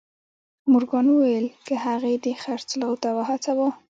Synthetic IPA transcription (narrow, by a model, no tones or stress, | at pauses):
mʊɾɡɑnwuwajlkəhaɣed̪exaɾt͡slɑwt̪awaɦat͡sabo